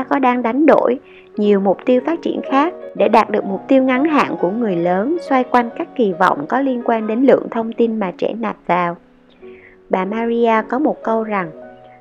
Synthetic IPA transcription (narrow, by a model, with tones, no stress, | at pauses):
a˧˥kɔ˨˦ɗaː˧ŋɗa˨˦jŋ̟ɗo̰˧˥j | ɲi˨˩əwmʊ˨˩k͡p̚t̪i˧əwfaː˦˥t̚t͡ɕḭ˧˩ənxaː˦˥k̚ɗḛ˧˩ɗaː˨˩t̚ɗɨ˨˩ək̚mʊ˨˩k͡p̚t̪i˧əwŋa˨˦nɦa̰ː˧˨nku˧˩əŋɨ˨˩əjləː˨˦nswa˧jkwa˧jŋ̟kaː˦˥kːi˨˩vɔ̰˧˨wŋ͡mkɔ˨˦li˧ənkwaː˧nɗe˨˦nlɨ̰˧˨əŋt̪ʰə˧wŋ͡mt̪i˧nmaː˨˩t͡ɕɛ̰˧˩na˨˩p̚vaː˨˩w | ɓaː˨˩maː˧zi˧aː˧kɔ˨˦mo˨˩t̚kə˧wza˨˩ŋ